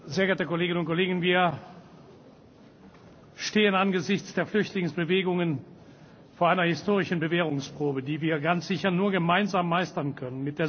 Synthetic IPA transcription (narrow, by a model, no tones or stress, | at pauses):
zeːɐɡɛːɐtəkoleːɡɪnʊntkoleːɡən̩viːɐ | ʃteːənanɡəzɪçt͡sd̥eːɐflʏçtlɪŋsb̥əveːɡʊŋən | foːɐaɪnɐhɪstoːʁɪʃn̩bəveːʁ̞ʊŋspʁ̥oːbədiːviːɐɡant͡sz̥ɪçɐnuːɐɡəmaɪnzaːmːaɪstɐnkʰœnənmɪt̚d̥eːɐ